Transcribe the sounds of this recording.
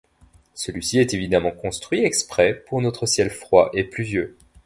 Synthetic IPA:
səlɥisiɛt̪evid̪amɑ̃kɔ̃st̪χɥiɛkspχɛpuʁnɔt̪χəsjɛlfχwaʔeplyvjø

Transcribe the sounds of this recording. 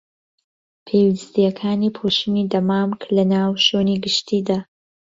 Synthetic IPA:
pʰewist̪ijɐkʰaːniːpʰoʃinid̪ɐmaːmklɐnaːwʃoːniɡɨʃt̪ʰiːd̪aː

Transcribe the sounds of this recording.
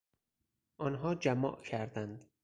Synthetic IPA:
ʔɒːnɦɒːd͡ʒæmɒ̰ːʔcʰæɾd̪ænd̪

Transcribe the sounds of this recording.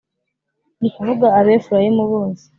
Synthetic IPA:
nikuvuɡaːβeːfuɾajimuβoːse̥

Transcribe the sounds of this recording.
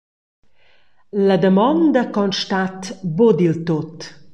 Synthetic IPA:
ləd̪əmɔnd̪əkɔnʃt̪at̪bod̪ilt̪ot̪

